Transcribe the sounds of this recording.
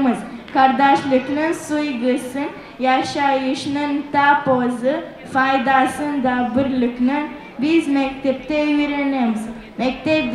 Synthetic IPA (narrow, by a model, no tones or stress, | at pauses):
məzkɐɾd̪aɕləknənsujɡəsɨn | jaɕajiɕnənt̪apɔd͡zɨ | fajd̪asɨnd͡z̪abɨɾləkʰnən | biːzmek̚t̪ep̚t̪eʋiɾənems | mek̚t̪ed̪